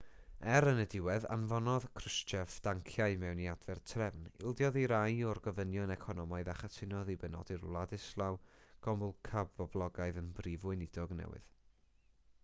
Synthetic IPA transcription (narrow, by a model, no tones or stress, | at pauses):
ɛɾənədɪwɛða̰nvɔnɔðkʰrəst͡ʃɛfd̥aŋkʰjaɨmɛwniadvɛrtʰrɛvnɪ̰lˠdjɔðiɾajɔrɡɔvənjɔnɛkʰɔnɔmaɨðaχatʰɪnɔðibɛnɔ̰diɾlˠadɨslˠawɡ̥ɔmʊlˠkʰabvɔblˠɔɡaɨðənbrivʊɨnɪdɔɡnɛ̰wɨ̰ð̥